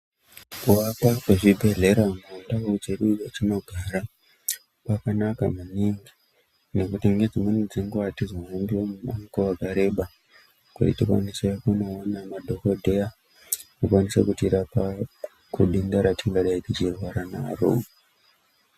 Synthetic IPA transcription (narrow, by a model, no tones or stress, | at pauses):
kuapakweʐibʱe̞ɮe̞ɾamandakout͡ʃeɗuat͡ʃinoɡʱaːɾa | pakanaka̰muɲiŋɡi | ne̞kutiŋɡe̞d͡zimunid͡ziŋɡuʋatizanendiwomuma̰ŋkoʋakaɾe̞ɓa | kṵtitikwa̰nisekuno̞ːnamadʱo̞kodʱeja | kukwanisḛkutiɾapa | kuɗindaɾatiŋɡaɗaitit͡ʃirwaɾanaro̰